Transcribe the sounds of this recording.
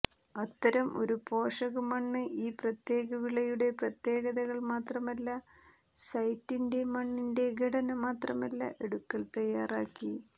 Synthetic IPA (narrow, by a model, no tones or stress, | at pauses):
ɐt̪ːɐɾɐmʔo̞̰ɾupo̞ːʂɐɣɐmɐɳːɨʔiːprɐt̪je̞ːɣɐʋiɭɐjuɽe̞prɐt̪je̞ːɣɐðɐɣɐɭmaːt̪rɐmɐlːɐ | sɐjtːinde̞mɐɳːinde̞ɡʱɐɽɐnɐmaːt̪rɐmɐlːɐ̰ʔe̞ɽukːɐlt̪ɐjːaːraːkːi